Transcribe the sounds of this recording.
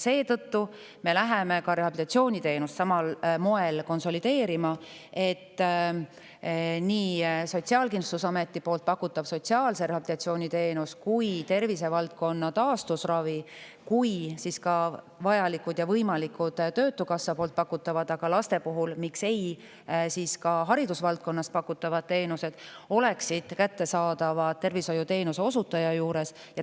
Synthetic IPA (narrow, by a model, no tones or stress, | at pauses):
se̞ːt̪ɤ̞t̪ːu | me̞læɦeme̞kɑɾe̞ɦɑb̥it̪ɑt̪sio̞ːnʲit̪e̞ːnust̪sɑmɑlmo̞e̞lko̞nso̞lid̪̥e̞ːɾimɑ | e̞t̪ː | niːso̞t̪ʲsiɑːlkinu̥t̪usɑme̞t̪ˑːipo̞ːlt̪̚pɑkːˑut̪ːˑɑb̥so̞t̪ʲsiɑːlseɾehɑb̥it̪ɑt̪sio̞ːnʲit̪e̞ːnuskujt̪e̞rvise̞vɑlt̪̚ko̞nːɑt̪ɑːst̪usrɑvi | kujsiskɑ | vɑjɑlikːˑud̪̥jɑvɤjmɑlikːud̪̥t̪ø̞ːt̪ːukɑsːɑpoːlt̪̚pɑkːˑut̪ːˑɑvɑd̪̥ɑɡ̥ɑlɑst̪e̞puɦulmikse̞j | siːskɑɦɑɾid̪usvɑlt̪̚ko̞nːɑst̪̚pɑkːˑut̪ːˑɑvɑd̪̥̚t̪e̞ːnuse̞d̪̥o̞le̞ksid̪̥kæt̪ːe̞sɑːd̪ɑvɑt̪ːe̞rviso̞jut̪e̞ːnuse̞o̞sut̪ːˑɑjɑjuːɾe̞s | jɑ